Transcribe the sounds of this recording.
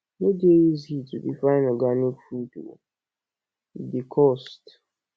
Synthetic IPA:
nodieizitudifaɪ̃naɡanofudwo̰ | dikʰɔst

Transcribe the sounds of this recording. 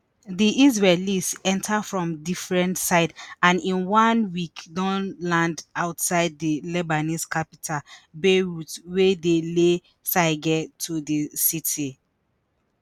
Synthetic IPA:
diʔiz̬ɹɛlisɛ̃ntʰafɹɔ̃mdifɹɛ̃ntsaɪdãnĩnwãnwikdɔ̃nlãndaʊtsaɪd̚dilɛbaniskapitʰabeɹutwedele | saɪɡɛtʰudəsitʰi

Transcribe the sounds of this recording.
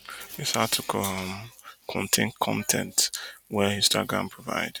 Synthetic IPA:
ishatʰukʰɔ̃mkʰɔ̰̃ntʰẽnkʰɔ̰̃ntʰɛ̰̃ntwɛjustaɡɹã̰mpʰɹɔva̰ɪd̥

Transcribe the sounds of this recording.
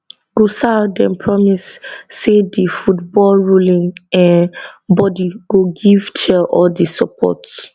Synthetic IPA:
ɡ̥osadɛ̃npʰɹɔmisːedifutbɔlɹulĩŋɛ̃nbɔdiɡ̥oɡivt͡ʃʰɛɔldisɔpʰɔ̰t

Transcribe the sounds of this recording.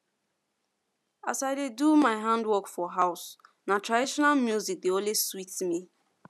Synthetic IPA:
a̰saɪdedumaɪɦãndwɔkfɔɦaʊs | natɾadiʃɔnalmjuzik̚deoleswitmi

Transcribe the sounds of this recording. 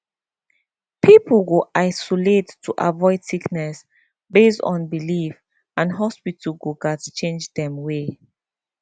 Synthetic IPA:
pʰipʰəlɡoʔaɪsɔletːʰuʔavɔɪdsiknɛs | bestɔ̰̃nbilif | ãnɦɔspitʰəɡoɡatt͡ʃẽnd͡ʒdɛ̃mwe

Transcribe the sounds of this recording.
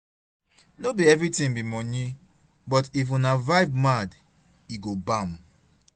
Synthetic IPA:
nobiɛvɾitĩŋbimɔ̃nĩ | bɔtif̬ũnavaɪvmad | iɡobãm

